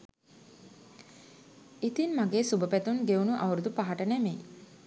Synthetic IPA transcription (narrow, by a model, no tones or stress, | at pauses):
it̪inmaɡeːsubəpæt̪unɡeunuʔawɾud̪upaɦaʈənemej